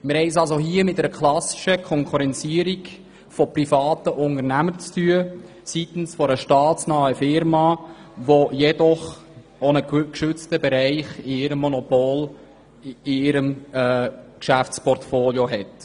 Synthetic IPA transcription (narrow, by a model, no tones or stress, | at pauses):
mɪɾhɛɪs̬ɑls̬oɦiəmɪt̚ːɛɾəkʰlɑsi̥ʃəkʰɔŋkʰuɾɛnt͡siəɾik | fɔprifɑːt̪əʔʊŋəɾnæməɾt͡styə | sit̪n̩sfɔɾəʃtɑːtt͡snɑːəfɪɾmɑ | ʋojɛdɔχ | ɔnəkkʃʏt͡stəbɛɾɛɪχiɪɾəmːɔnɔpol | ɪɪɾəmɛːkʃæft͡spɔrtfoːljoɦɛt